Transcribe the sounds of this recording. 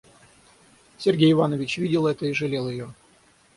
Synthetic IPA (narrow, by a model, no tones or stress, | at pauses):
sʲerɡʲejɪvanəvʲɪt͡ɕvʲidʲɪlˠɛt̪əiʐɨlʲelˠjɪjo